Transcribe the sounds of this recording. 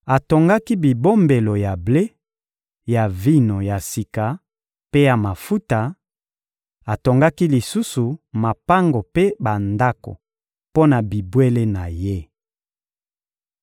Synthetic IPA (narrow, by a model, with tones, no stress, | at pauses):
a˨to˨ŋɡa˦ki˦bi˨bo˦mbe˨lo˨ja˨ble˦ | ja˨vi˦no˨ja˨si˨ka˨ | pe˦ja˨ma˨fu˦ta˨ | a˨to˨ŋɡa˦ki˦li˨su˦su˨ma˨pa˦ŋɡo˨pe˦ba˨nda˦ko̰˨ | po˦na˨bi˨bwe˦le˦na˨je˦